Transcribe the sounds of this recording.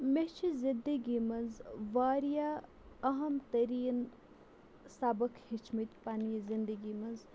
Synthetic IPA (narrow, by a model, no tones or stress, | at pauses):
met͡ʃʰizind̪əɡimɐnzʋaːɾija | ɐɦɐmt̪ɐɾiːn | sabəkhit͡ʃʰmɐt̪panijzind̪əɡimɐnz